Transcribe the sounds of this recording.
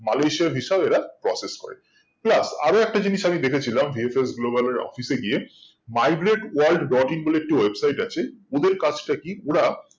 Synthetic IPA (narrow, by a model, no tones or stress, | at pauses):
malejʃiabɦiʃabeɾapɾɔseskɔ̰ɾḛ | plasa̰ɾoɛk̚ʈad͡ʑiniʃamid̪ekʰet͡ɕʰilambʱiefes̬ɡlobaleɾɔ̰fiseɡije | majɡɾeʈualɖbɔʈiŋbolek̚ʈiwebsajʈat͡ɕʰeod̪eɾkad͡ʑʰʈakioɽa